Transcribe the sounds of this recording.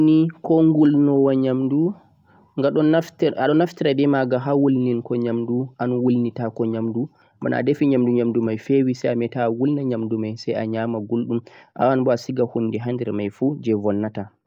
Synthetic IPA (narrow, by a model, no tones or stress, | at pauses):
nikɔŋɡulnɔwaɲamdu | ŋɡaɗɔataɗɔnaftiɾadɛmaɡaɦawulninkɔɲamduʔanwulnitakɔɲamdu | ba̰na̰defiɲamduɲamdumajfewisɛjamɛtawulnaɲamdumajsɛja̰ɲaːmaɡulɗumʔa̰wanbɔasiɡahundɛɦandɛɾmajfud͡ʒɛvɔnːata